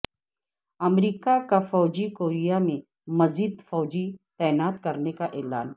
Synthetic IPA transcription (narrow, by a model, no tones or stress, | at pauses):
ɐmɾiːkakafɔːd͡ʒikoːɾijamẽ | mɐziːd̪fɔːd͡ʒit̪ɛːnaːt̪kɐɾnekaʔɛːlaːn